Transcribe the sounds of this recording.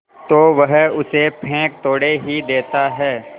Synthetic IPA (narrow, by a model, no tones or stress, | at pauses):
t̪oːʋɐɦʊsepʰẽːk̚t̪oːɽeɦid̪eːt̪aɦɛː